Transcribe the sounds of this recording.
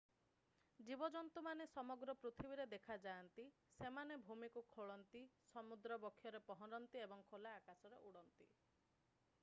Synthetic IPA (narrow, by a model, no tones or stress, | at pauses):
d͡ʒibɔd͡ʒɔnt̪umanesɔmɔɡɾɔpɾut̪ʰibiɾed̪ekʰad͡ʒaːnt̪i | semanebʱumikukʰoɭɔnt̪isɔmud̪ɾɔbɔkʰːjɔɾepɔɦɔɾɔnt̪iebɔŋkʰolaːkasɔɾeʔuɽɔnt̪i